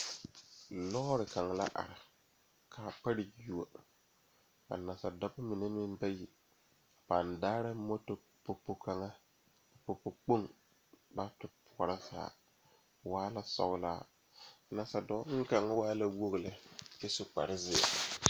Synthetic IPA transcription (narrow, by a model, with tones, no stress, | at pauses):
lɔ˦ɾɪ˨ka˨ŋa˨la̰˦ʔa̰˨ɾɪ˨ | kʰaː˨pa˦ɾɪ˨ju˨a˨ | ka̰˨na˨sa˨dɔ˦ba˦mi˨ne˦mɪ˦n˦ba˦ji˨ | b̥a˨ndaː˦ɾa˦mo˦to˨ | po˨po˨ka˨ŋa˦˨ | po˨po˨k͡po˦ŋ | ba˦pɪ˨pʰʊ˨ɔ˨ɾa˦sa̰ː˨ | waː˦la˦sɔ̰˦˨ɣla̰ː˦ | na˨sa˨dɔ˦ŋ̩˦ka˨ŋa˦waː˦la˦wo˦ɣlɪ˨ɪ˦sʊ˦k͡pa̰˨ɾɪ˦zɪ˦˨a̰˨